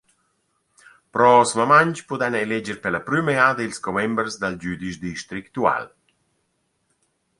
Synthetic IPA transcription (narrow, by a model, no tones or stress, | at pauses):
pɾɔsmamaɲt͡ʃpud̪ɛnelɛd͡ʒɛɾpɛlapɾymead̪ilskɔmɛmbɾzd̪ald͡ʒyd̪iʃd̪iʃt̪ɾikt̪ua̰l